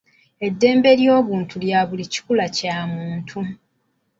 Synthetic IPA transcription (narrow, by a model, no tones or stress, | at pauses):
e̞dːe̞ːmbe̞ljo̞ːβuːntʰuljaːβulici̥kulacaːmuːntʰu